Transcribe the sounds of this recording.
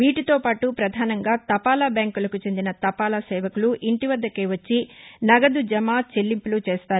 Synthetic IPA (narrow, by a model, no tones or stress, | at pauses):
ʋiːʈit̪o̞ːpaːʈupɾɐd̪ʱaːnɐŋɡaːt̪ɐpaːlabjaːŋkulɐkut͡ʃe̞nd̪inɐt̪ɐpaːlaːsɛːʋɐkuluʔiɳʈiʋɐd̪ːɐkeːʋɐt͡ʃːinɐɡɐd̪ud͡ʒɐmaːt͡ʃe̞lːimpulut͡ʃeːst̪aːɾu